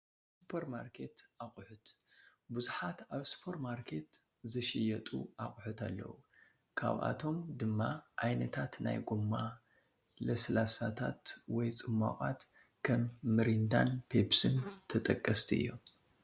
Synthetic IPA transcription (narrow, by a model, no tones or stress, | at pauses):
supʰeɾmaɾkʰe̞t̪ʔaχʼħʊt̪ | buzuħat̪aβsu̥pʰɐɾmaɾkʰe̞t̪ | zɨʃɪjɐt̪ʼṵʔaχʼħut̪ʰalːɐ̰wu | kʰa̰βʔa̰t̪ʰo̞md̪ɨmːaʕajnɐt̪ʰat̪na̰jɡʼumːa | lɐslasat̪ʰat̪wɔjt͡sʼɨmːa̰χʼat̪ | kʰɐmːɨɾind̪a̰npʰepsɨnt̪ʰɐt̪ʼɐkʼːɐst̪ʰiɨ̰jːo̞̰m